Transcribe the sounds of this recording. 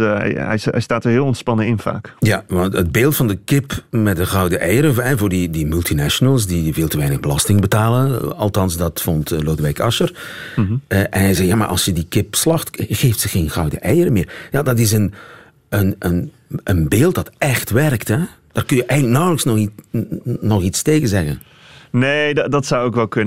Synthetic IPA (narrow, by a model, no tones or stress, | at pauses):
ɛ̰jɛ̰jstaːtəɹɦɪːlˠɔntspɑnəɪnva̰ːkjaʋɑntəd̚beːlˠtfɑndəkɪpmɛt̚dəɣɑwdəʔɛjəɾəɦɛvʊːrdidimʉlˠtinɛʃonəlˠsdiʋɪlˠtəʋɛjnəɣbəlɑstɪŋbətaːlənɑ̰lˠtɑnsdɑtfɔntloːdəʋɛjkɑʃər | əʔɛ̰nɦɛjzɛjaːma̰ʔɑ̰lˠsjədikɪpslɑxtɣeːftsəɣeːnɣɑwdəʔɛjəɾəmɪːrjaːdɑtɪs̬ən | ənən | ʔənbeːlˠt̚d̥ɑtɛxtʋɛrktɛd̥aːrkɵnjəʔɛjɣənlək̚nɑwləksnɔχi | nɔχitsteːɣənzɛɣə̰n | nedɑtsawokʋɛlˠkɵn